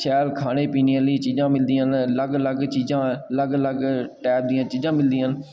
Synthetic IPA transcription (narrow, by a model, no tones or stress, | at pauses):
ʃɛːlkʰaːɽ̃eːpiːnialiːt͡ʃiːzãːmɪld̪iːãnləɡləɡt͡ʃiːzãːləɡləɡʈɛːp̚d̪ĩjãːt͡ʃiːzãːmɪld̪iːan